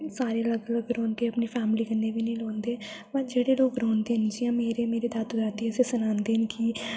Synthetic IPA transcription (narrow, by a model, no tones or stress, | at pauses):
saːɾeːələɡələɡɾɔːnd̪eːəpniːpʰɛːmɪliːkənːeːbiːnə̃ĩlɔːnd̪eː | pəd͡ʒeːɽeːloːkɾɔːnd̪eːɦnd͡ʒijãːmeːɾeːmeːɾed̪at̪ʊd͡ʒaːt̪iːəsesʊnãːnd̪eːɦənki